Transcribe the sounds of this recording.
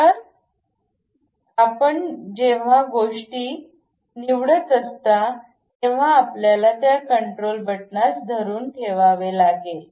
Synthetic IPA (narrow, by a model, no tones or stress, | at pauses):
təɾ | apəɳd͡ʑeʋ̤aɡoʂʈiː | niʋɽət͡səst̪a | t̪eʋ̤aːpljalat̪jakəɳʈɾolbʱəʈ̚nasd̪ʱəɾuːnkʰeʋaʋelaɡe